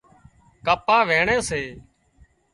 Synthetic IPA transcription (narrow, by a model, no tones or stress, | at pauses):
kəpaːʋeːɳeːseː